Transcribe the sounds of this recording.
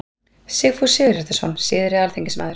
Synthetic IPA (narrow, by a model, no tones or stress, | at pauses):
sɪɣfusɪːɾɛ̥t̪ɪsɔnsɪːðɪɾɪðalθeɲcɪsmaːðɪɾ̥